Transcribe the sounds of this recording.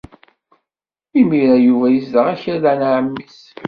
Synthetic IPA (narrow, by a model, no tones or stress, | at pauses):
imiɾæjuvæjəsd̪əʁæçəɾðænʕəmːis